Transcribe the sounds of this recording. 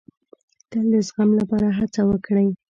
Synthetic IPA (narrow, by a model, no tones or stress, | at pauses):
t̪əld̪əsɣamlapɑɾaɦat͡sawəkɽəj